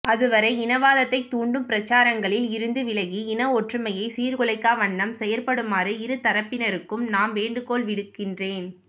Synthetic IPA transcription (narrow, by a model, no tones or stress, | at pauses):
ʔɐðɯʋɐɾɐɪɪnɐʋaːðɐt̪ːɐɪt̪ːuːɳɖɯmpɪɾɐt͡ʃːaːɾɐŋɡɐɭɪlɪɾɯnd̪ɯʋɪlɐɣiɪnɐɔʈrɯmɐjɐɪsiːɾkʊɭɐɪkːaːʋɐɳːɐmsɛjɐlpɐɽɯmaːɾɯɪɾɯt̪ɐɾɐpːɪnɐɾɯkːɯmnaːmʋeːɳɖɯkoːlʋɪɽɯkːɪndreːn